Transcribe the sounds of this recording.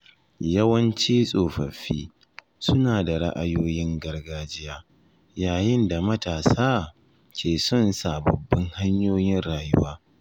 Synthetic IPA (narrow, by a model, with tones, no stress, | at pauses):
jɐ˦wɐ˦nt͡ʃiː˦sʼoː˨ɸɐ˨ɸḭː˦ | sʊ˦naː˨da˨ɽa̰˦ʔa˦joː˦jɪ˦ŋɡɐ˦rɡaː˦d͡ʒɪ˦jaː˦ | jaː˨jɪ˦nda˨mɐ˦taː˨saː˦ | kʲʰeː˨sɔ˦nsa˨bɐ˨bːɐ˦ŋha˦ɲjoː˦jɪ˦nɽaː˨jʊ˦waː˦